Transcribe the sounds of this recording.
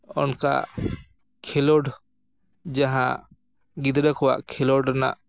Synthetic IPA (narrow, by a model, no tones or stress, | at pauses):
ɔnka̰ | kʰɛlɔɖ | d͡ʒaɦã | ɡid̪ɾəkʰɔwa̰ʔkʰɛlɔɖɾɛna̰ʔ